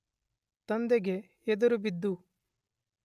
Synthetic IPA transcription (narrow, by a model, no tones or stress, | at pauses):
t̪ɐnd̪eɡeː | d̪ɐɾubid̪ːu